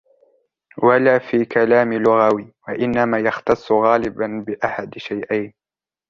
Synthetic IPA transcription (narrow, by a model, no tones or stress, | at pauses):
walaːfiːkalaːmɪlʊɣawiːwaʔɪnːamaːjɑxt̪ɑsˤːɣaːlɪbanbɪʔaħad̪ʃajʔajn